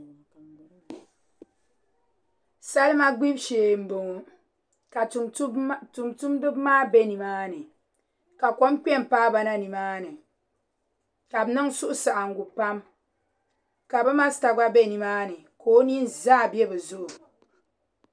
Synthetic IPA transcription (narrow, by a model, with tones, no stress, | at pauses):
sa˦lma˦ɡ͡bi˦bʃeː˨m̩˨bo˨ŋu˨ | ka˨˦ | tu˨mtu˦mdɨ˦bmaː˦bɛ˦ni˨maː˦nɨ˨ | ka˨ko˦mk͡pɛ˦m˨paː˦ba˦na˦ni˨maː˦nɨ˨ | ka˨bnɨ˦ŋsu˦ʔʊ˦sa˨ʔa˨ŋ̩˨ɡu˨pa˦m | ka˨bɨ˦ma˦sta˨ɡ͡ba˦be˦˨ni˨maː˦nɨ˨koː˦ni˦nzaː˦˨bi˦ɛ˦bɨ˨zʊ˦ʔu˨